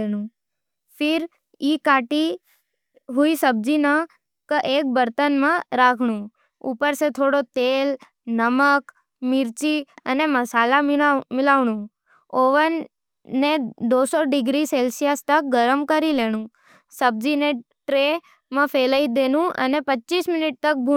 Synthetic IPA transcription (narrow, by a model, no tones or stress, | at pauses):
eɽ̃ũ | fʰiɾ | ikaʈi | ɦuisəb̚d͡ʒinə | kəʔek̚bəɾt̪ənmə̃ɾakʰɳ̃ũ | ṵpəɾset̪ʰoɽot̪el | nəmək | miɾt͡ʃiəneməsalammɪlaʋɽ̃ũ | oʋənː | ed̪osɔɖɪɡɾiselsijast̪ək̚ɡəɾəmkəɾileɽ̃ũ | səb̚d͡ʒine | ʈɾe | mə̃feləid̪enũʔə̰nepətːt͡ʃiːsmɪniʈ̚t̪ək̚bʱu